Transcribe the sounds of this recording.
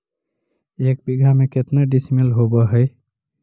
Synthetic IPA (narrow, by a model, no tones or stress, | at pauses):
ek̚biɡʱameket̪naɖismelɦobəɦəɪ